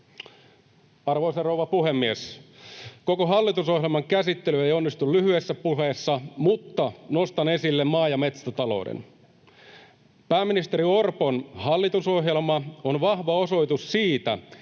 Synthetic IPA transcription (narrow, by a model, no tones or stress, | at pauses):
ɑrʋoiserowʋɑpuhe̞mːies | ko̞koɦɑlːit̪uso̞ɦjelmɑŋkæsit̪ːelye̞jo̞nːist̪ullyhyesːæpuhe̞ːsːɑmut̪ːɑno̞st̪ɑne̞silːemːɑːjɑme̞t̪st̪æt̪ɑlo̞̰wdḛn | pæːmːinist̪eɾiorpo̞nhɑlːit̪uso̞ɦje̞lmɑonʋɑhʋɑo̞so̞jt̪ussiːt̪æ̰